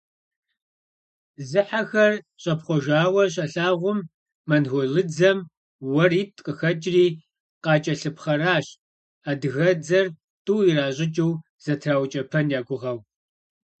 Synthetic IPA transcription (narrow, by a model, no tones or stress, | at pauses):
zɨħaxɐr | ɕʼɐpχʷɔʒaːwɐrɕ̬ʼɐɬaːʁʷʊmː | ɐnɣɔɮɨd͡zɐm | wɐriːtʰʼqʼəxɐt͡ʃʼriː | qɑːt͡ʃʼɐɬɨpχɐraːɕ | aːdɨɣɐd͡zɐr | tʼuwiraːʑʼɪt͡ʃʼɨw | z̥ɐtʰraːwt͡ʃʼɐpʰɐnjaːɡʷʊʁɐw